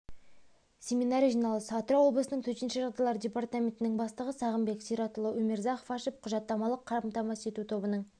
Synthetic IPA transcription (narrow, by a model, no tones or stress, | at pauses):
sʲe̞mʲinaɾʲijʒijnɑlˠəsɑt̪ɾɑwo̞blˠəsənəɴŋt̪ʰɵt̪enʃɪʒɑʁd̪ɑjlˠɑɾdʲe̞part̪amʲe̞nt̪ɪnɪŋbɑst̪əʁəsɑʁəmbeksijɾɑt̪əlˠəwɵmʲeɾzɑχfɑʃəp̚qʰʊʒɑt̪ːɑmɑlˠəqʰːɑɾmt̪ɑmɑset̪ut̪ʰo̞bənəɴ